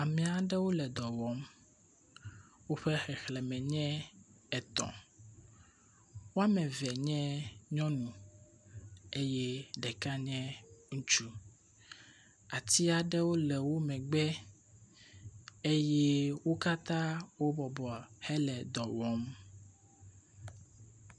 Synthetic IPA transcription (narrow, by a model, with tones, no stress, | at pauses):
a˨mɛ̃˨˦a˨ɖɛ˦wo˦lɛ˨d̪ɔ˨wɔ˨˦m | wo˦ɸɛ˦xɛ˨xlɛ˨mɛ̃˨ɲɛ̃˦ | ɛ˨t̪ɔ̰̃˨ | wo˦a˦mɛ̃˨vɛ˨ɲɛ̃˦ɲɔ̃˦nũ˨ | e˦jɛ˦ɖɛ˨ka˦ɲɛ̃˦ŋũ˦t͡ʃu˦ | a˨t̪i˦a˨ɖɛ˦wo˦lɛ˨wo˦mɛ̃˨ɡ͡bɛ˦ | e˦je˦wo˦ka˦t̪ã˦wo˦bɔ˨bɔ˨hɛ˦lɛ˨d̪ɔ˨wɔ˦m